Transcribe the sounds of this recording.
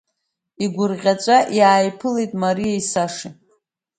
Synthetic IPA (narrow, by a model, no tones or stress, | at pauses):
iɡʷʊrʁʲat͡ʃʷʼaʔjaːjpʰɨle̞jtʼmaɾijaisaʂi